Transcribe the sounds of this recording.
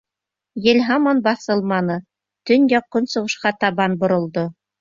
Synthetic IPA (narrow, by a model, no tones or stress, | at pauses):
jĕlʲɦamonbɑθɤlˠmɑnɤ | t̪ɵnjɑqːɤnsŏʁɤ̆ʃqɑt̪ɑβɑnbŏɾŏlˠd̪o